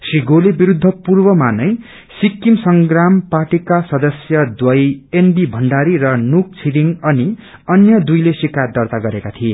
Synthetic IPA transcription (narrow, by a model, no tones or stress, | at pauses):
sriɡolebiɾud̪ʱːʌpurbʌmanʌj | sikːimsʌŋɡrampaʈikasʌd̪ʌsjʌd̪wʌjenbibʱʌɳɖaɾiɾʌnuk̚t͡sʰiɾiŋʌni | ʌnjʌd̪ujlesikard̪ʌrt̪aɡʌɾekat̪ʰie